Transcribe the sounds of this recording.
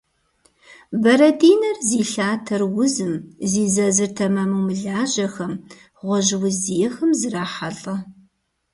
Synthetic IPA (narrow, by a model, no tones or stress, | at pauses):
bɐɾɐdiːnɐrziːɬaːtʰɐrwʊzɨmziːzɐzɨrtʰɐmɐmuwmɨɮaːʒɐxɐm | ʁʷɔʒwʊzijɛxɐmzɨraːħaɮʼɐ